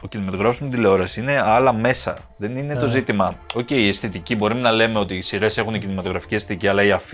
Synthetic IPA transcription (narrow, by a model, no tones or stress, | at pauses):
ocinimɐt̪oɣɾɐfsumet̪ileo̞ɾɐsiine̞ɐlɐme̞sɐ̰ | ðe̞nine̞t̪o̞zit̪imɐo̞ceiest̪et̪icibo̞ɾimenɐle̞meo̞t̪isiɾe̞se̞xunecinimɐt̪o̞ɣɾɐfi̥ciest̪et̪iciɐlɐiɐf